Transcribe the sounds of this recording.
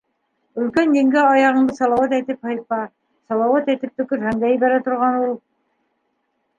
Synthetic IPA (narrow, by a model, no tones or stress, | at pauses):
ɵ̆lkænd̪iŋɡæɑjɑʁɤ̆nd̪ɤsɑlˠɑwɑt̪̬æjt̪ɘphɑjt̪̚pɑ | sɑlˠɑwɑt̪æt̪ɘp̚t̪ɵ̆kɵɾɦæŋd̪æjbæɾæt̪ŏɾʁɑnulˠ